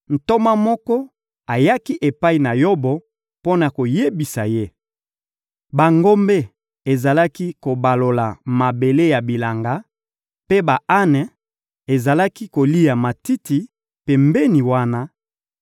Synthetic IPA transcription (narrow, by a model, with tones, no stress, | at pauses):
n̩˨to˦ma˦mɔ˦kɔ˦ | a˨ja˦ki˦ʔe˨pa˦i˨na˨jo˦bɔ˨ | po˦na˨ko˨je˦bi˨sa˨je˦ | ba˨ŋɡo˦mbe˦ | e˨za˨la˦ki˦ko˨ba˨lo˨la˨ma˨be˨le˦ja˨bi˨la˨ŋɡa˦ | pe˦ba˨a˦nɛ˨ | e˨za˨la˦ki˦ko˨li˦ja˨ma˨ti˦ti˨ | pe˨mbe˦ni˨wa˦na˦